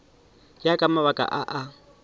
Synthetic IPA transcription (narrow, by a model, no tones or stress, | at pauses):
jakʼamaβakʼa̰ʔaʔa